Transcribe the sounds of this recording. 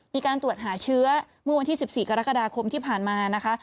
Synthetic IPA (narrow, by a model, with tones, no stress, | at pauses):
miː˧kaː˧nt̪u˨˩ət̪̚ɦaː˩˦t͡ɕʰɯ˦˥ɐ | mɯ˥˩wa˧nʰiː˥˩si˨˩p̚siː˨˩ka˧ɾa˦˥kːa˧daː˧kʰo˧mt̪ʰiː˥˩pʰaː˨˩nmaː˧na˦˥kʰa˦˥ʔ